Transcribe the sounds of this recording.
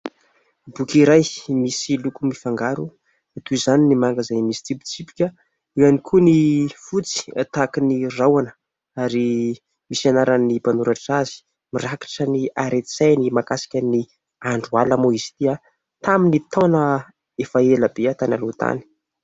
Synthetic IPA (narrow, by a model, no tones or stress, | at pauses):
bukʲiɾajmisilukumifaŋɡaɾu | at̪uizaninimaŋɡazajmisi̥t͡s̪ibi̥t͡sipi̥kʲə | ianikʰunifut͡si̥at̪akinirawanə̥ | aɾi | misanaɾanipanuɾaʈ͡ʂazi̥ | miraki̥ʈ͡ʂəniaɾet̪t͡sajnimakasi̥kʲəni | aɳɖ͡ʐualəmoisi̥t̪ia | t̪aminit̪onə | efaeləbeat̪analot̪a̰ni̥